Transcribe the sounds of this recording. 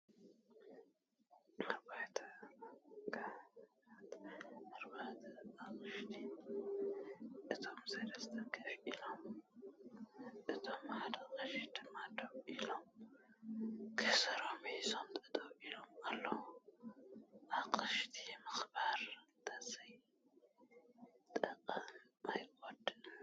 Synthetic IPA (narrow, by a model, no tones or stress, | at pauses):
aɾbat̪ʰɐ | kʰʼa | at̪aɾbat̪ʰɐakʼɨʃt̪ʰi | ʔɨt̪ʰo̞msɐlɐst̪ʰɐɡɐfilo̞m | ʔɨt̪ʰomʕad̪ɐkʼɨʃd̪ʰɨmad̪oβʔilom | kʰɨsɐɾomisomt̪ʼɐt̪ʼɐβilo̞malːɐwu | ʔakʼɨʃt̪ʰimɨxbaɾt̪ʰɐzɐj | t̪ʼɐqʼɐn | ajkʼod̪ɨ